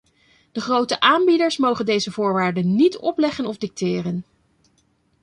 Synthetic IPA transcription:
d̥əχrowtəʔaːmbidəɹsmowχəndejzəvʊːɹʋaːɹdənːitɔplɛχənɔvdɪk̚tɪːrən

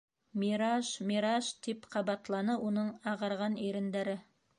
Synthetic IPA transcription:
meɾɑʃmeɾɑʃt̪ʰipqʰɑbɑt̪lˠɑnəwonəɴɑʁɑɾʁɑneɾɪ̆nd̪æɾɪ

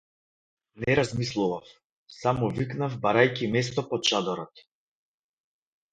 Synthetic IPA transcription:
nɛɾazmislˠuvaf | samɔviknavbaɾajkʲimɛst̪ɔpɔt͡ʃad̪ɔɾɔt̪

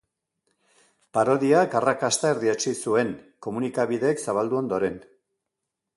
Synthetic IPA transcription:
paɾo̞ðiakarakast̪aeɾðiat͡ʃisue̞ŋko̞munikaβiðe̞ːksaβald̪uo̞nd̪o̞ɾe̞n

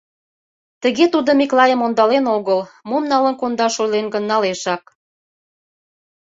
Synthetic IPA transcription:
t̪ə̆ɣet̪ud̪ə̆miklɑjəmond̪ɑlenoɣəlmomnɑlənkond̪ɑʃojlenɡə̆nːɑleʃɑk̚

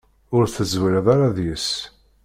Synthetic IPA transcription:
ʊɾθəzwələðˤaɾaðjəs

